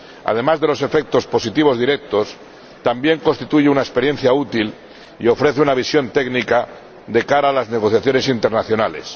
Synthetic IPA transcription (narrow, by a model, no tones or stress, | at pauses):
a̰ðe̞mazðe̞lo̞se̞fe̞k̚t̪o̞spo̞sit̪iβ̞o̞zðiɾe̞k̚t̪o̞s | t̪ambje̞ŋkonst̪it̪uʝeunaespe̞ɾje̞n̟θjaut̪il | io̞fɾe̞θeunaβisjo̞nt̪e̞ɡnika | d̪e̞kaɾaːlazne̞ɣ̞o̞θjaθjo̞ne̞sint̪e̞ɾnaθjo̞nale̞̰s